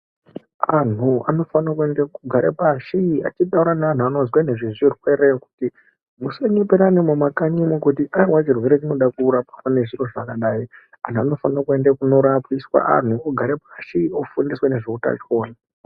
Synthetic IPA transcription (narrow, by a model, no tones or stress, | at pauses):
an̤ua̰no̞fanakue̞ndekuɡʱaɾepaʃiia̰t͡ʃiɗauɾanaan̤uano̞zwane̞ʐizwirwe̞ɾeku̥ti | museɲopeɾanemumakaɲimokutiʔaiwat͡ʃirwe̞ɾe̞t͡ʃino̞ɗakuɾapakane̞ʐiro̞ʐakaɗai | a̰n̤uano̞fanakue̞ndekuno̞ɾapiswa̰a̰n̤uoɡʱaɾep̚aʃiofundiswane̞ʐeuta̰t͡ʃoːna